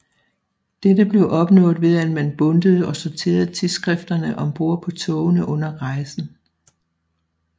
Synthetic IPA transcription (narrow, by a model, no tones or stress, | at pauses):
d̥edəb̥le̝ʊʔɒ̽b̥nɔ̰̽ːð̩ˠʋe̝ð̞ˠænmænb̥ɔ̽nd̥əð̞̩ˠɒ̽soɐt͡sʰe̝̰ːɐð̩ˠt͡sʰiðˠsɡ̥ʁɛfd̥ɐnəʔɒ̽mb̥o̝ɐ̰pʰɒ̽t͡sʰɔʊnəʔɔ̽n̰ɐʁɑ̈ɪsn̩